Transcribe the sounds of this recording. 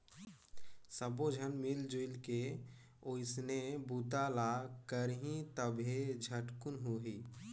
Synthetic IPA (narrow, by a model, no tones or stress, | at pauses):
səbod͡ʒʱənmɪld͡ʒoɪlke | oɪsnebuːt̪alakəɾɦĩt̪əbʱed͡ʒʱəʈkʊnɦuɦi